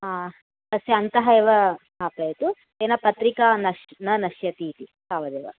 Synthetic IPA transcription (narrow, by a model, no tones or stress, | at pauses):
ɦaː | t̪ɐsjɐɐnt̪ɐɦɐeːʋɐɦaːpɐjt̪u | eːnɐpɐt̪ɾikaːnɐʃnɐnɐʃjɐt̪iːt̪isaːʋɐd̪eːʋɐ̰